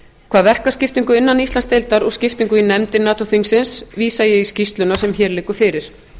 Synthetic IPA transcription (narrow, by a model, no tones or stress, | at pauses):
kʰv̥aːðvɛr̥kascɪft̪iŋkʏɪnːanist̪lanst̪ejlt̪aɾɔɣscɪft̪iŋkʏinɛmt̪ɪnaːt̪ʰɔθiŋksɪnsviːsajɛɣiscist̪lʏnasɛmçɛːɾlɪːkʏɾ̥fɪːɾɪɾ̥